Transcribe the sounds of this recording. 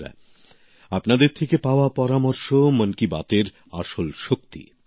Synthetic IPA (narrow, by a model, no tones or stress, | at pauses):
ɛ̰ | apnad̪eɾt̪ʰekepaoapɔɾamɔɾʃomənkiba̰t̪eɾ | aʃolʃok̚t̪ḭ